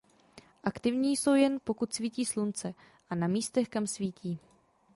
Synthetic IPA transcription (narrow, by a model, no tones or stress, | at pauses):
ʔakt̪ɪvɲiːso̞wjɛnpo̞kut̪sviːciːslunt͡sɛ | ʔanamiːst̪ɛxkamsviːciː